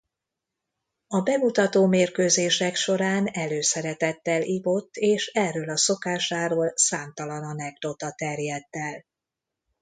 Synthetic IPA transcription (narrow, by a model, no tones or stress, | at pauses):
ɒbɛɡut̪ɒt̪oːmeːrkøːzeːʃɛkʃo̞ɾaːnɛløːsɛɾɛt̪ɛt̪ːɛlʔivot̪ːeːʃɛrːøːlɒso̞kaːʃaːɾoːlsaːmt̪ɒlɒnɒnɛɡd̪o̞t̪ɒt̪ɛrjɛd̪ːɛl